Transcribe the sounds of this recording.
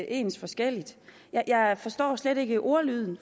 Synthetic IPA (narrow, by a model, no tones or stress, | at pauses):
ʔe̝̰ːnsfɒ̽sɡ̥el̰id̥ | jɑ̈ɪjɑ̈ɪfɒ̽sd̥ɒ̰ːsleɾ̥e̝ɡ̥əʔo̝ɐlyð̞ˠn̩